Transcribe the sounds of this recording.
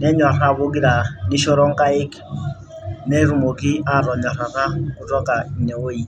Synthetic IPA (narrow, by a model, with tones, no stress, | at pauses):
nɛ˦ɲa˨ɾa˦˨bo˦ɡi˦ɾa˨ni˦ʃo˦ɾɔ˦ŋka˦ɪ˦k | nɛ˦ɾu˨mo˨ki˦a˦˨ɾɔ˨ɲɔ˨ɾa˨ta˦kʊ˦tɔ˦ka˨i˨ne˨wo˦i˨